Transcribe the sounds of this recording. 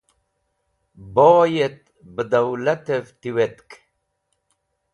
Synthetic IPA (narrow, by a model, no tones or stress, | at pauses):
boːjet̪̚ | bəd̪awlat̪evt̪iwet̪k